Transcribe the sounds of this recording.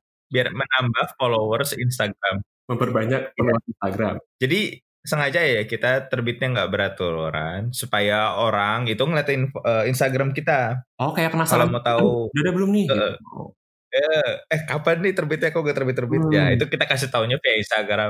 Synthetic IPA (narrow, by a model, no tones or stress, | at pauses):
biarmənambahfolowərsinst̪aɡɾam | məmpərbaɲak̚mənowat̪inst̪aɡɾa̰md͡ʒadi | səŋad͡ʒajakit̪at̪ərbɪt̪̚ɲaŋɡaʔbəɾat̪uɾo̰ɾa̰nsupajaoɾaŋit̪uŋəlat̪inəinst̪aɡɾamkit̪aɔkajapənaskalamot̪audadabəlʊmnɪə | əəhkapanːɪht̪ərbɪt̪̚ɲakoŋɡat̪ərbɪt̪ːərbɪt̚ɲa̰ḭt̪ukit̪akas̬ɪht̪auɲafiainst̪aɡɾam